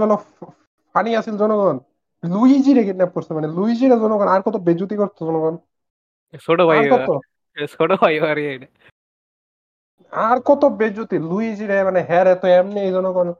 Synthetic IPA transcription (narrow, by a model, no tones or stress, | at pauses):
bɛlɔ | faniasilzɔnɔɡɔn | lujid͡ʑiɾekitnɛpːoɾsimaneluid͡ʑiɾezɔnɔɡɔnaɾkɔt̪obed͡ʑut̪ikɔɾt̪ʰozɔnɔɡɔn | soɖobʱajaɾkɔo | soɖobʱajoaɾiejnɛ | aɾkɔt̪obed͡ʒut̪ilujid͡ʑiɾemaneɦɛɾɛt̪ɔɛmneejzɔnɔɡɔn